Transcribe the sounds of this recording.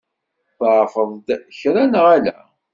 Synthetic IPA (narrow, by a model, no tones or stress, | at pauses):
θʕfəðˤd̪çɾænʁælæ̰